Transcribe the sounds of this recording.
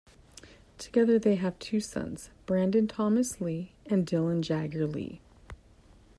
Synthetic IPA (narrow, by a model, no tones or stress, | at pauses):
tʰə̥ɡ̥ɛðə˞ðeɪɨv̥tʰʉsʌ̰̃nz̥b̥ɹæ̃ndɨ̃ntʰɑmɨsliɨ̃ndɪlˠə̃nd͡ʒæɡə˞lḭ